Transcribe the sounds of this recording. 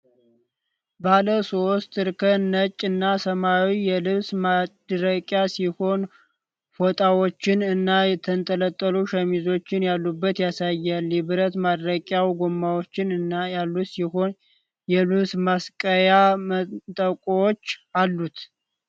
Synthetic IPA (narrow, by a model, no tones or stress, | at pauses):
baləso̞st̪ɨɾkʰənət͡ʃʼːɨnːasəmawijɛlɨβsmad̪ɾəkʼjasiho̞n | fot̪ʼawo̞t͡ʃːɪnɨnːajɛt̪ʰənt̪ʼələt̪ʼːəluʃəmizo̞t͡ʃːɪnjalːubːət̪jasajːalɛβɨɾət̪mad̪ɾəkʼjawɡomːawot͡ʃːɪnɨnːajalːut̪siho̞n | jɛlɨβsmaskʼəjamt̪ʼəkʼowot͡ʃːalːut̪